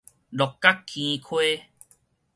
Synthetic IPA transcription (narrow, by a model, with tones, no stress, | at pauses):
lɔ˨˩kːa˦kʰːĩ˧kʰwe˦